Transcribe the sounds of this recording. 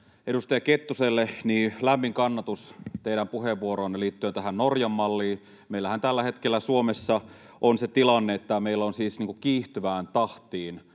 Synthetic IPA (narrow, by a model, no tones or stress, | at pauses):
edust̪ɑjɑket̪ːuselːeniːlæmːiŋkɑnːɑt̪ust̪eiɾæmpuheʋːuoɾoːnːeliːt̪ːyønt̪æɦænnorjɑmːɑlːiː | meilːæhænt̪ælːæhet̪kelːæsuomesːɑ | ʔonset̪ilɑnːeet̪ːæmeilːonsiːsniːŋkukiːht̪yʋæːnt̪ɑht̪iːn